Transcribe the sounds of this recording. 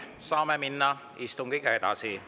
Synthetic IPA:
saːmɛminːa | ist̪ʊŋkekat̪a̰ːsʰi

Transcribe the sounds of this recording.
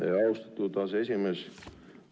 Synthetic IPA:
ḛɑust̪ɑ̥t̪ːut̪ɑːse̞s̬ʲimes

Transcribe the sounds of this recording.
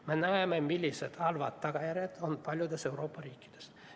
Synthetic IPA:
menæememilʲːiset̪ɑlʋɑ̰t̪t̪ːɑkɑjæret̪onpɑlʲjod̪eseuroːpːɑriːkːi̥d̪̥e̥s

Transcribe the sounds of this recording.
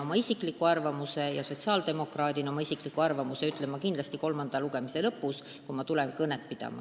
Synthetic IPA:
o̞mɑisikˑlikːˑuɑrvɑmuse̞jɑso̞t̪ʲsiɑːld̪̥e̞mo̞krɑːd̪ino̞mɑisikˑlikːˑuɑrvɑmuse̞yt̪ˑlemːɑkind̪lɑst̪iko̞lmɑnd̪̥ɑluɡ̥e̞mise̞lɤpːˑus | kumɑt̪ulenkɤnːet̪̚pid̪̥ɑ̰mɑ̰

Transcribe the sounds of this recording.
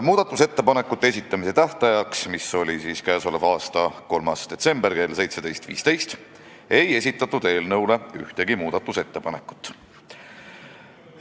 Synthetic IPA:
muːd̪ɑt̪ːˑuse̞t̪ːe̞pɑne̞kːˑut̪ːeesʲit̪ːˑɑmise̞t̪æht̪ɑjɑksmiso̞lʲisiːskæːso̞levɑːst̪ɑko̞lmɑsd̪̥e̞t̪se̞mb̥erke̞ːlse̞jt̪se̞d̪̥e̞jst̪vḭːst̪e̞jst̪ | e̞je̞sʲit̪ːˑɑt̪ːˑud̪e̞ːlnɤwle̞yht̪e̞ɡimuːd̪̥ɑt̪ːˑuse̞t̪ːe̞pɑne̞kːˑu̥t̪ːˑ

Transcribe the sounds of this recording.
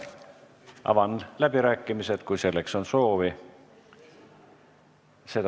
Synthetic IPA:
ʔɑ̰vɑnlæb̥iɾæːkːˑimiset̪kujse̞lːe̞kso̞nso̞ːvi | se̞t̪

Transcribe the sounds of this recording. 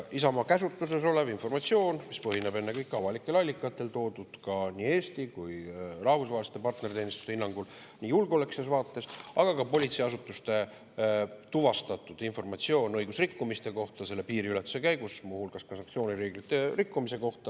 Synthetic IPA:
isɑmɑkæsut̪ːˑus̬e̞s̬o̞levinfo̞rmɑt̪sio̞ːnmispɤɦinebe̞nːekɤjkːˑɑvɑlikːˑe̞lɑlʲːikːˑɑt̪ːˑe̞lt̪o̞ːd̪̥ud̪̥kɑniːe̞ːst̪ikujrɑhvusvɑːlise̥t̪ːˑe̞pɑrt̪ne̞ɾit̪eːnist̪u̥st̪einːɑŋɡ̥ul | nʲiːjulɡeoleksesvɑːt̪ˑːe̞sɑɡ̥ɑkɑpo̞lʲit̪sejɑs̬ut̪ːˑust̪e̞ | t̪uvɑst̪ɑt̪ːˑud̪̥info̞rmɑt̪sio̞ːnɤ̞jɡ̥usrikːumist̪e̞ko̞ht̪ɑse̞lːe̞piːɾiylet̪ːˑu̥se̞kæjɡusmuhulɡ̥ɑskɑsɑŋkt̪sio̞ːnʲiɾeːɡlit̪ːˑe̞rikːumise̞ko̞ht̪ɑ

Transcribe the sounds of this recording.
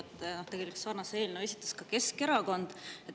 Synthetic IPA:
t̪ːnoht̪e̞ɡe̞likssɑːrnɑseeːlʲnee̞sʲit̪ːˑɑskɑke̞ske̞ɾɑko̞nd̪̥et

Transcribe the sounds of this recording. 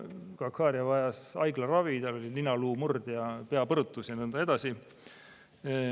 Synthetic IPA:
kɑkhɑːɾjɑvɑjɑsɑ̰jɡ̥lɑrɑvit̪ɑlo̞lʲilinːɑluːmurd̪̥jɑpe̞ɑpɤɾut̪ːˑusjɑnɤnd̪̥ɑe̞d̪̥ɑsi

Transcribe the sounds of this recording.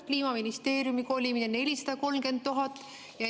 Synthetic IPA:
kliːmɑminist̪e̞ːɾjumiko̞ːlʲiminene̞lʲisɑ̥d̪̥ɑko̞lmke̞nd̪ːuɦɑt̪ːˑ | jɑ

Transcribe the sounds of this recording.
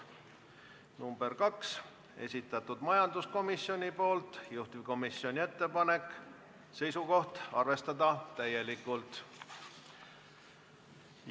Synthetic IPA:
numb̥e̞rkɑks | e̞̰sʲit̪ːˑɑt̪ːud̪̥mɑjɑnd̪usko̞misjo̞nʲipo̞ːlt̪ˑjuht̪ivko̞misio̞nʲie̞t̪ːepɑne̞kːˑ | se̞jsuko̞ht̪ɑrve̞st̪ɑd̪ɑt̪æje̞likːˑult̪

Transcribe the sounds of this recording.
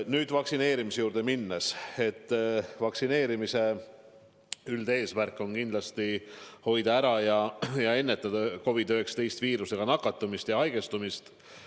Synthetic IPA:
nyːd̪̥vɑksine̞ːɾimisejuːɾd̪̥e̞minːɑse̞t̪ːvɑksine̞ːɾimise̞ | yld̪e̞ːsmærkːˑo̞nkind̪lɑst̪iho̞jd̪̥ɑæɾɑjɑjɑe̞nːe̞t̪ːˑɑd̪̥ɑko̞vid̪ø̞ːkst̪e̞jst̪viːɾuse̞ɡ̥ɑnɑkːˑɑt̪ːˑumist̪jɑɑjɡ̥e̞st̪umist̪

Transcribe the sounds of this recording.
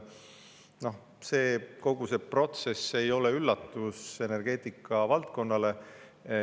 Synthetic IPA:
no̞h | se̞ːko̞ɡ̥use̞pro̞t̪se̞se̞jo̞leylːɑt̪ːˑuse̞ne̞rɡ̥e̞ːt̪ˑikːˑɑvɑlt̪̚ko̞nːɑle̞

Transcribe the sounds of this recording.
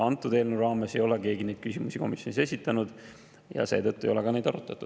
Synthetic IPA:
ɑnt̪ːˑud̪̥eːlneuɾɑːme̞se̞jo̞leke̞ːɡine̞jd̥̪̚kysimusiko̞̰misjo̞nise̞sʲit̪ːˑɑnud̪̥ | jɑ̰seːt̪ɤt̪ːˑuejo̞lekɑne̞jd̪ɑ̰ɾut̪ːˑɑt̪ːˑud̪̥

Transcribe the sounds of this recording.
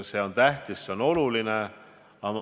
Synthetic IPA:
se̞o̞nt̪æht̪isːeo̞no̞luline | ɑ

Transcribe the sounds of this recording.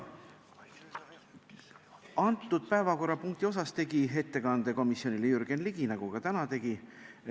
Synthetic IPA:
ɑnt̪ˑːud̪̥̚pæevɑko̞rːɑpuŋk̚t̪io̞sɑst̪e̞ɡiɦe̞t̪ːe̞kɑnd̪̥e̞ko̞misjo̞nilejyrɡ̥e̞nliɡ̥inɑɡ̥uɡ̥ɑt̪ænɑt̪e̞ɡ̥i

